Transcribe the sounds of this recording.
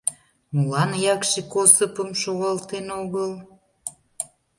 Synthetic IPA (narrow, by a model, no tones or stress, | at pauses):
mulɑnjɑkʃekosəpəmʃoɣɑlt̪enoɣəl